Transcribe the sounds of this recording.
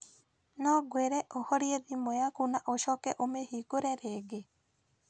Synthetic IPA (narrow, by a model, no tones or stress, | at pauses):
nɔɡweɾɛʔohɔɾjeðimojakunaʔoʃɔkɛʔomehikoɾɛɾeɡe